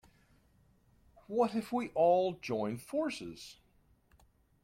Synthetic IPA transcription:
wʌt̚ɨfwiʔɔlˠd͡ʒɔ̃ɪ̃nfɔɹsɪz̥

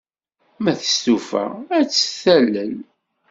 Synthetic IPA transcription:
mæθə̥st̪ufæ̰æt͡sːə̥θælːəl

